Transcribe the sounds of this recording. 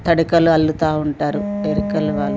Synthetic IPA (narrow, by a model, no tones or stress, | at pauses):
t̪ɐɽukɐluɐlːut̪aːuɳʈaːɾueɾikɐlːuʋaːlːu